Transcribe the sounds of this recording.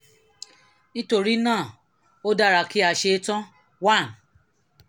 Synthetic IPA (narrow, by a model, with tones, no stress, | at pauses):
ñ̩˦to˦ɾi˦nãː˦˨ | o˦da˦˨ɾa˧ki˦a˧ʃe˧˦tɔ̃˦ | wa˦˨n